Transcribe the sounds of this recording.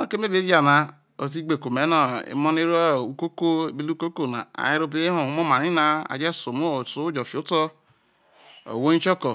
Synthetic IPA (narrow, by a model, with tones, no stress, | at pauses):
no˦˨ke˦m˦e˦be˦ja˨na˨ | o˨s̬i˦ɡ͡be˨ko˨me˨˦na˨ḭ˨˦mɔ˦ne˦ɾu˦ko˦ko˦˨bi˦lu˦ko˦ko˦˨na̰˨a̰˨ji˦ɾo˦bi˦ɦo˨u˨˦mo˦ma˨ni˦na˦a̰˨d͡ʒe˦so˨mo˦˨su˨˦d͡ʒo˨fi˨o˦tɔ˦ | o̰˨wo˦ɲi˦t͡ʃɔ˦kɔ˨